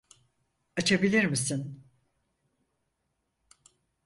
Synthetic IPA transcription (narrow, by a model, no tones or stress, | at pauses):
at͡ʃʰabilʲiɾmisin